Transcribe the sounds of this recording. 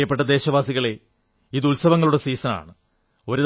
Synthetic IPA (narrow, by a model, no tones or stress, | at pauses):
jɐpːe̞ʈːɐd̪e̞ːɕɐʋaːsiɣɐɭe̞ | iðulsɐʋɐŋːɐɭuɽe̞siːsɐna̰ːɳɨ | o̞ɾuð